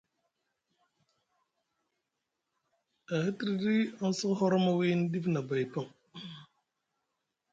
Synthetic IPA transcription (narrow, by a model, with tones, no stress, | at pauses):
a˨hə˦tɾi˨di˦a˦n̩˦sə˦kɦɔ˦ɾɔ˦ma˦wi˦n˦di˦fna˨ba˨jpa˦˨m